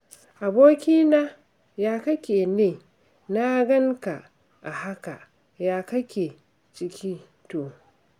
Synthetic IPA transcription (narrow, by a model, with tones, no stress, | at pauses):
ʔa˨boː˦kʲiː˦na˦ | jaː˦kɐ˦kʲeː˨neː˨ | na˦ɡɐ˦ŋka˨ʔ | ʔa˨ha˦ka˨ | jaː˦kɐ˦kʲeː˨ | t͡ʃɪ˦kʲiː˦ | to˨